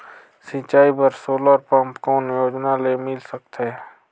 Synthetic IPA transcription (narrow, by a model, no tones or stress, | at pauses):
sɪt͡ʃaːibəɾsoːləɾpə̃mpkɔːnjoːd͡ʒnalemɪlsək̚t̪ɛ